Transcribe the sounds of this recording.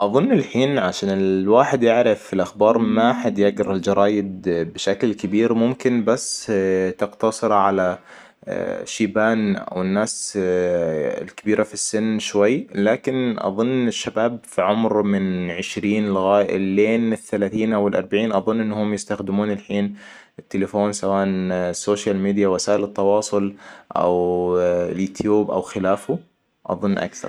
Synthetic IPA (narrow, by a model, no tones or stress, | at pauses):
ʔɑðˤʊnːɪlħiːnʕaʃaːnɪlwaːħɪd̪jɪʕɾɪfɪlʔaxbɑːɾˤmaħad̪jaɡɾɪld͡ʒɑɾˤɑːjɪd̪bɪʃaklkɪbiːɾmʊmkɪnbasːt̪ɪqt̪ɑsˤɨɾʕala | ʃiːbaːnʔa̰wɪnːaːs | ɪ̰lkɪbiːɾafisːɪnːʃwajːlaːkɪnʔɑ̰ðˤʊnːɪʃːabaːb̚fiʕʊmɾmɪnʕɪʃɾiːnlʊɣaːlːeːnɪθːalaːθiːnʔawɪlʔɑɾˤbaʕiːnʔɑðˤʊnːʔɪnːhʊmjɪst̪axd̪ɪmuːnɪlħiːn | ɪt̪ːelɪfoːnsawaːʔansːoːʃalmiːd̪ijawasaːʔɪlɪt̪ːɑwɑːsˤʊlʔa̰w | ljuːt̪ʰjuːbʔa̰wxɪlaːfʊ | ʔɑ̰ðˤʊnːʔa̰kθɑ̰ɾˤ